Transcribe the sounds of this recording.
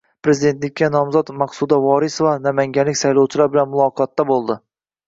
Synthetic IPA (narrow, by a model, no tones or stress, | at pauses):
pʰɾe̞zɪd̪e̞nt̪lɪkʲːanɒmzɒt̪mɑqsud̪avɒɾɪsvanamaŋɡʲanlɪkʲsajlˠɒwt͡ʃʰɪlaɾbɪlanmʊlˠɒqʰɒt̪ːabolˠd̪ɪ